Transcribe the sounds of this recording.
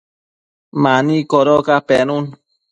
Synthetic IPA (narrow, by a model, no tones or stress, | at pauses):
manikoɾokapenun